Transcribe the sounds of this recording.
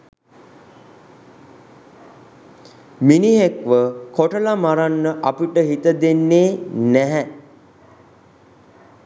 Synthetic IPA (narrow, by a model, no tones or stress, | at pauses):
miniɦekʋəkoʈəlamaɾanːəʔapiʈəɦit̪əd̪enːeːnæɦɛ